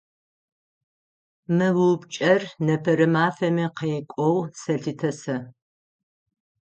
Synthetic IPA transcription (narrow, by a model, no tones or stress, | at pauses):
mɨwɨwpt͡ʃʼɐrnɐpʰɐɾɨmaːfɐmiqɐjkʷʼɔwsɐɬɨtʰɐsɐ